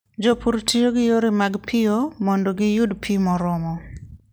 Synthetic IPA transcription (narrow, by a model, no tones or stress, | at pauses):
d͡ʒopuɾtʰijoɡɪjoɾimaɡpʰɪomɔndoɡɪjudpʰimɔɾɔmɔ